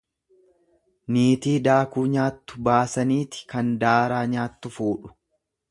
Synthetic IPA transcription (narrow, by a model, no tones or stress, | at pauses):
niːt̪iːd̪aːkuːɲaːt̪ːʊ̥baːsɐniːt̪ɪ̥kɐnd̪aːɾaːɲaːt̪ːʊfuːᶑʊ̥